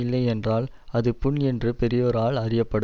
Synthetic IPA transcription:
ɪlːɐɪɛndraːlɐðɯpʊnɛndrɯpɛɾɪjɔːɾaːɭɐrɪjɐpːɐɽɯ

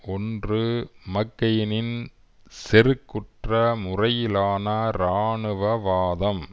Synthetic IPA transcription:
ɔndrɯmɐkːɐjɪnɪn | sɛɾɯkːʊʈrɐmʊrɐjɪlaːnɐɾaːɳɯʋɐʋaːðɐm

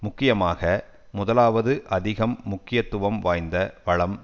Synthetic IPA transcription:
mʊkːɪjɐmaːɣɐ | mʊðɐlaːʋɐðɯʔɐðɪɣɐmːʊkːɪjɐt̪ːʊʋɐmʋaːjnd̪ɐʋɐɭɐm

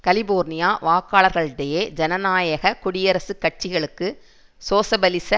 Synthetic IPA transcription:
kɐlɪboːɾnɪjaːʋaːkːaːɭɐɾɣɐɭɪɽejeːd͡ʒɛnɐnaːjɐɣɐkʊɽɪjɐɾɐsɯkːɐʈ̚t͡ʃɪɣɐɭɯkːɯ | soːsɐbɐlɪsɐ

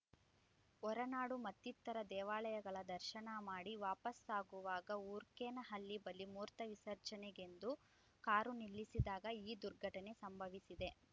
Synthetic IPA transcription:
ɔɾɐnaːɽumɐt̪ːit̪ːɐɾɐd̪ɛːʋaːlɐjɐɡɐɭɐd̪ɐɾʃɐɳɐmaːɽiʋaːpɐsaːɡuʋaːɡɐuːɾkeːnɐɦɐlːibɐlːimuːɾt̪ɐʋisɐɾt͡ʃɐneɡe̞nd̪u | kaːɾunilːisid̪aːɡɐiːd̪uɾɡʱɐʈɐne̞sɐmbʱɐʋisid̪e̞

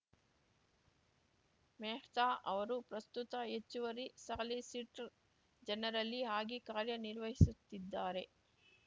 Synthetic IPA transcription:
meːht̪aːʔɐʋɐɾupɾɐst̪ut̪ɐɦet͡ʃːuʋɐɾisɐɐlisiʈ | d͡ʒɛnɐɾɐlːiɦaːɡikaːɾjɐniɾʋɐɦisut̪ːid̪ːaːɾe̞

